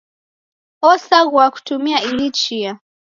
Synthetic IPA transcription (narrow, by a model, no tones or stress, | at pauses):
ɔsaɡwaku̥tumiailit͡ʃia